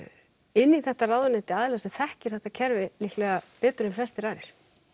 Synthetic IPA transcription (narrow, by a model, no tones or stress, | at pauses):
ɪnːiθɛht̪araːðvanɪnt̪ɪaːðɪlɛːasɛmθɛhcɪɾ̥θɛht̪acʰɛɾvɪlihklɛːɣapɛːt̪ʏɾɪmflɛst̪ɪɾaːɾɪɾ̥